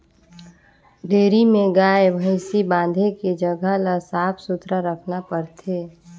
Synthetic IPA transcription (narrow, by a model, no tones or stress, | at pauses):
ɖeːɾimẽɡaːebʱəɪsibãːn̆d̪ʱeked͡ʒəɡʱalasaːpʰsʊt̪ɾaɾəkʰnapəɾt̪ʰeː